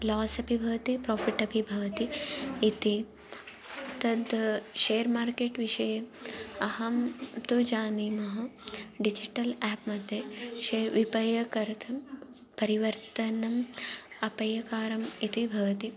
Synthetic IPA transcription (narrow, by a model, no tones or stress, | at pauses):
laːsɐpibʱɐʋɐt̪ipɾoːfʰiʈɐpibʱɐʋɐt̪iit̪i | t̪ɐd̪ʃejɐɾmaːɾkeːʈʋiʂɐjɐɐɦɐmt̪ud͡ʒaːnimɐɦɐɖid͡ʒiʈɐlaːpmɐd̪ʱjɐʃeʋipɐjɐkɐɾɐt̪ʰɐm | pɐɾiʋɐɾt̪ɐnɐmɐpɐjɐkaːɾɐmit̪ibʱɐʋɐt̪i